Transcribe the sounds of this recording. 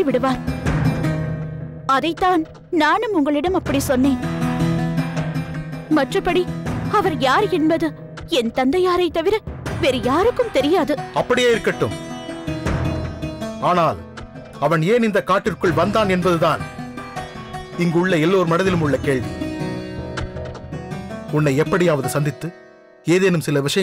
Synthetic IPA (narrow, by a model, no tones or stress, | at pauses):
iʋɪɽɯʋaːɾ | ɐðɐɪt̪ːaːn | naːnɯmʊŋɡɐɭɪɽɐmɐpːɐɽisɔnːeːn | mɐʈrɐpːɐɽiɐʋɐɾjaːɾɛnbɐðɯ | ɛnt̪ɐnd̪ɐjaːɾɐɪt̪ːɐʋɪɾɐʋeːɾɯjaːɾɯkːɯmt̪ɛɾɪjaːðɯɐpːɐɽɪjeːɪɾɯkːɐʈːɯm | aːnaːl | ɐʋɐneːnɪnd̪ɐkaːʈːɪrkɯɭʋɐnd̪aːnɛnbɐðɯðaːn | ɪŋɡʊɭːɐɛlːoːɾɯmɐnɐðɪlɯmʊɭːɐkeːɭʋḭ | ʊnːɐɪɛpːɐɽijaːʋɐðɯsɐnd̪ɪt̪ːɯ | eːðeːnɯmsɪlɐʋɪʂɐj